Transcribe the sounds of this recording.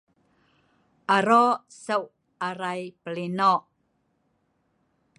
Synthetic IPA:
ʔaɾosəw | aɾajpəlinɔʔ

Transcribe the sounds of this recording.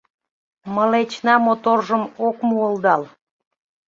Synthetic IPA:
məlet͡ɕnɑmot̪orʒəmokmuəld̪ɑl

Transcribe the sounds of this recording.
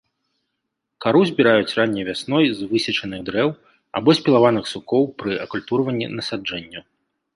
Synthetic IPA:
kaɾuzʲbʲiɾajut͡sʲranʲːɐjvʲasnɔjzvɨsʲɐt͡ʂɐnɨɣd̪ɾɛw | a̰bɔsʲpʲilˠavanɨxsukɔwpɾɨɐkulʲt̪uɾɐvɐnʲːḭnɐsad͡ʐɛnʲːu

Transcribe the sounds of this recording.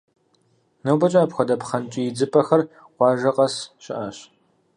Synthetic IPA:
nɐwbɐt͡ʃʼɐɐpxʷɐdɐpχɐnt͡ʃʼijɪd͡zɨpʼɐxɐr | qʷɑːʒɐqʼɐsɕɪ̰ʔɐɕ

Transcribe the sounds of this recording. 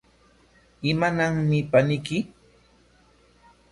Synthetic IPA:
ɪmanaŋmɪpanɪkɪ

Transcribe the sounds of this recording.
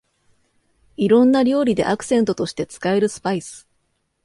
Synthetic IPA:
iɾõ̞nːaɾʲo̞ːɾʲid̪e̞̰ʔakɯ̟̥sẽ̞nt̪o̞t̪o̞ɕi̥t̪e̞t͡sɨ̥kae̞ɾɯ̟sɨ̥paisɨ̥

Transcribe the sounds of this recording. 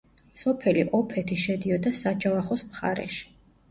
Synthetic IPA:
sɔpʰɛliʔɔpʰɛt̪ʰiʃɛd̪iɔd̪asad͡ʒavaχɔsmχa̰ɾɛ̰ʃi̥

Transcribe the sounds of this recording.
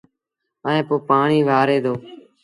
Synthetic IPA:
əːẽːpoːpaːɳiːʋaːɾeːd̪oː

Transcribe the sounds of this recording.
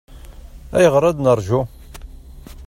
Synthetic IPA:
æjəʁɾˤɑd̪nəɾˤʒu

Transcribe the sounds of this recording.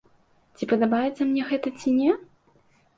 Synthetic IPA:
t͡sʲipɐd̪abajɛt̪sːɐmnʲɛɣɛt̪ɐt͡sʲinʲɛ

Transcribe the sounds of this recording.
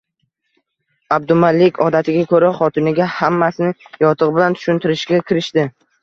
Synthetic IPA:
ab̚d̪ʊmalːɪkʲʰɒd̪at̪ʰɪɡʲakʰɵɾaχɒt̪ʰɪnɪɡʲahamːasɪnɪjɒt̪ʰɨʁbɪlant̪ʰʊ̥ʃʊnt̪ʰɪɾɪʃɡʲakʲʰɪɾɪʃt̪ɪ

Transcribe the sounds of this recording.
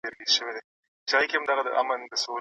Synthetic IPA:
eɾlizʃəwed̪e | t͡ʃaɣikeamd̪aɣad̪ə̰ʔa̰mənd̪əso

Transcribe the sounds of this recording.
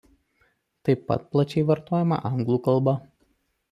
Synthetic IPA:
t̪ɐɪpːɐ̰t̪̚plˠɐt͡ʃʲɛɪʋɐɾt̪oːjɛmɐ̰ʔɐŋɡlˠuːkɐlˠˑbɐ

